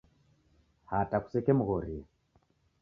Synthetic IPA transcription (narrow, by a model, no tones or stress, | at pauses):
hataku̥sɛkɛmuɣɔɾi